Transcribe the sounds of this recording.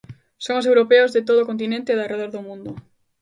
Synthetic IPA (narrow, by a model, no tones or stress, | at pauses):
soŋosewɾopeʊzðet̪̬oðokont̪̬inẽnt̪ɪðareðoɾðomũnd̪ʊ